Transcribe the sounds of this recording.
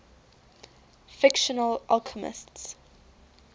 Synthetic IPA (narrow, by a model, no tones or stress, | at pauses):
fɪkʃɔnəlʔalkʰəmɪ̰sts